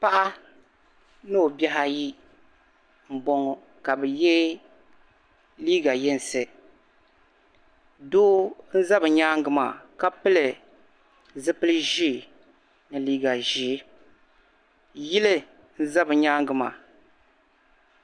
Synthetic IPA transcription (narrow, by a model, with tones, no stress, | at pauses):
pa˦ʔa˦ | nɨ˦˨bɛ˦ɦa˦ji˦ | m̩˨bɔ˦ŋɔ˦˨ | ka˨bɨ˨jɛ˦ | liː˦ɡa˨jɛ˦n˨sɨ˨ | do˦n̩˦za˦bɨ˨ɲaː˦ŋɡɨ˨ma̰˨ka˦pɨ˦lɨ˨ | zɨ˦pɨ˦lɨ˦ʒi˦˨ | nɨ˨liː˦ɡa˨ʒi˨˦ | ji˦lɨ˦ | n̩˦za˦bɨ˨ɲaː˦ŋɡɨ˨ma̰˨